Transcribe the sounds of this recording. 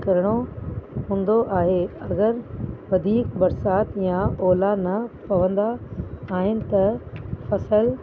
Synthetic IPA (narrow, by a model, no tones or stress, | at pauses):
kɐɾəɽ̃oɦũːnd̪oʔaːɦeɐɡəɾʋɐd̪ʱiːkbɐɾsaːt̪jãɔːlanɐpɐʋə̃nd̪aːɦɪnɪ̆t̪ɐfɐsəl